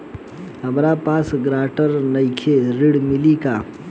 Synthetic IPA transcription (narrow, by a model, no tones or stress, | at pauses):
əmɾapaːsɡɾaːʈəɾnəɪkʰeɾɪɽmɪlikaː